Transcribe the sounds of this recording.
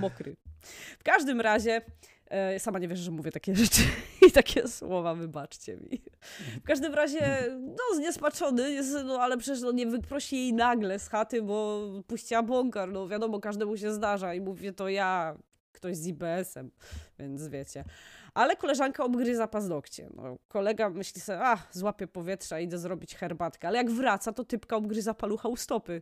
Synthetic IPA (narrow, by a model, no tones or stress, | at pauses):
mɔkɾɨ̰fkaʐd̪ɘmɾaʑɛ | samaɲɛvʲjɛʐɛʐɛmuvʲjɛt̪akʲɛʐɛt͡ʂɨit̪akʲʰɛswɔvavɘbat͡ʂt͡ɕɛ̰mʲḭfkaʐd̪ɘmɾaʑɛnɔzɲɛspat͡ʂɔnɘjɛsnɔalɛpʂɛt͡ɕɛʂ̬nɔɲɛvɘpɾɔɕijejnaɡlɛsxat̪ɘbɔpuɕt͡ɕɛabwɔŋkaɾnɔvʲjad̪ɔmɔkaʐd̪ɛmuɕ̬ɛzd̪aʐaimuvʲɛt̪ɔja | kt̪ɔʑzibɛɛsɛmvʲjɛnt̪svʲjɛt͡ɕɛʔalɛkɔlɛʐaŋkaɔbɡɾɘzapaznɔkt͡ɕɛ̰nɔ̰kɔlɛɡamɘɕlʲisɛaxzwapʲjɛpɔvʲjɛtʂaid̪ɛzɾɔbʲit͡ɕxɛɾbat̪kɛalɛjaɡvɾat̪sat̪ɔt̪ɘpkaɔbɡɾɘzapaluxaust̪ɔpɘ